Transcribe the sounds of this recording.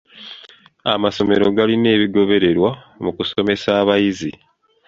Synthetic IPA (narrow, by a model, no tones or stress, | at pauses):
a̰maso̞me̞ɾo̞ɡaline̞ːβiɡo̞βe̞ɾe̞ɾwa | mukuso̞me̞saːβajizi